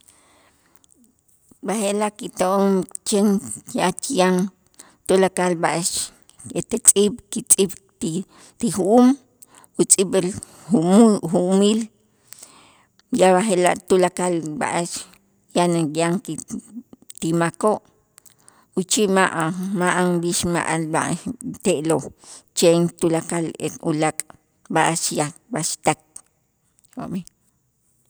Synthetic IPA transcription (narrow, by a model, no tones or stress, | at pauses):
bahelaʔkit̪oʔomt͡ʃeŋʔat͡ʃijaŋ | t̪ulakalbaʔeʃ | et̪et͡sʼiɓkit͡sʼiɓ | t̪ixuʔuːm | ut͡sʼiɓil | uxuʔmiːl | jaβaxelaʔt̪ulakalba̰ʔaʃ | janajaŋki | t̪imakoʔ | ut͡ʃiʔmaʔmaʔaŋbiʃma̰ʔalba̰ʔt̪eʔlot͡ʃent̪ulakalḛulakʼ | baʔaʃjabaʃt̪ak̚ | ho̰ʔmi